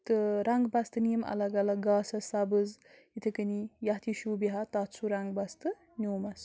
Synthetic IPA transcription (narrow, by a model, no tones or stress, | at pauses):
t̪ɨɾaŋɡbast̪ɨnijmɐ̰lɐɡɐlɐɡaːsɐsabɨz | it̪ʰɐkɐnijat̪ʰiʃubiɦat̪at͡sʰuɾaŋɡbɐst̪ɨ | nʲuːmɐs